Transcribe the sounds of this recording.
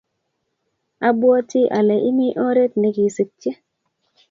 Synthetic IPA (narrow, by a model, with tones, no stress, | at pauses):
a˦bwɔ˦ti˦ʔa˨lɛ˨ʔi˦mi˦ʔɔ˦ɾe˦t̚ne˨ki˨sə˨k̚t͡ʃe˦